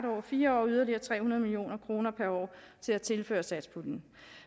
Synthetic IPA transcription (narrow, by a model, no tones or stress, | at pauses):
ɾɒ̰ːfiːɐɒ̰ːyð̞ˠɐliɐːt͡sʰʁɛ̰ːhunɐðˠmilio̝̰ːnɐkʰʁo̝ːnɐpʰæɐɒ̰ː | t͡sʰe̝læt͡sʰe̝lfø̰ːɐsæd̥spʰud̥n̩